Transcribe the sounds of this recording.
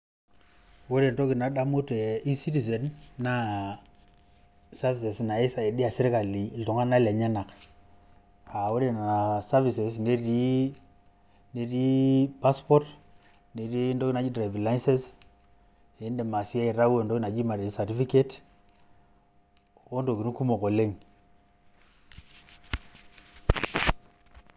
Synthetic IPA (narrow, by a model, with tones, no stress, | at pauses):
wo˦ɾe˨ndo˦ki˨na˨da˦mu˦te˨i˦si˦ti˨s̬e˨nːa˦ | sa˦vi˨se˨sna˨i˦sa˨i˨di˦a˨si˦ɾka˨li˨ltɔ˨ŋa˦na˦la˨ɲa˦na˨k | a˨wo˦ɾe˨na˨na˨sa˦vi˨se˨sne˦ɾi˦ | ne˦ɾi˦pa˦spɔ˦t | ne˨ɾi˦ndo˦ki˦na˨d͡ʒi˦dɾa˨vi˨la˦i˦nse˦s | e˨˦nde˨ma˨si˦a˦i˨ɾa˦we˨ndo˦ki˦na˨d͡ʒi˦ma˨ɾe˨d͡ʒi˦sa˨ti˦fi˦ke˦t | wo˦ndo˨ki˨nu˦ku˦mo˨ko˨le˦ŋ